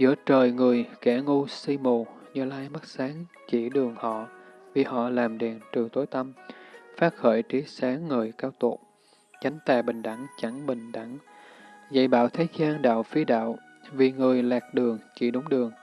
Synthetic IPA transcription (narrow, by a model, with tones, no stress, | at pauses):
zɨ̰˧˥ət͡ɕəː˨˩jŋɨ˨˩əjkɛ˧˩ŋu˧si˧mo˨˩ | ɲɨ˧˩laː˧jma˦˥t̚saː˨˦ŋ | t͡ɕḭ˧˩ɗɨ˨˩əŋhɔ̰˧˨ | vi˨˩hɔ̰˧˨laː˨˩mɗɛ˨˩nt͡ɕɨ˨˩əŋt̪o˨˦jt̪ə˧mfaː˦˥t̚xəː˧˩jt͡ɕi˨˦saː˨˦ŋːəː˨˩jkaː˧wt̪o˨˩t̚ | t͡ɕa˨˦jŋ̟t̪aː˨˩ɓï˨˩ŋ̟ɗa˧˩ŋt͡ɕa˧˩ŋɓï˨˩ŋ̟ɗa˧˩ŋ | za̰˧˨jɓa̰ː˧˨wt̪ʰeː˨˦zaː˧nɗa̰ː˧˨wfi˧ɗa̰ː˧˨w | vi˨˩ŋɨ˨˩əjlaː˨˩k̚ɗɨ˨˩əŋt͡ɕḭ˧˩ɗʊ˨˦ŋ͡mɗɨ˨˩əŋ